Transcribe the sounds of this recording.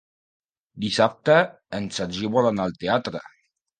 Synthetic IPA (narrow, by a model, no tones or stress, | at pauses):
d̪isap̚t̪ə | ənsaʒiβolanalˠt̪eat̪ɾə̰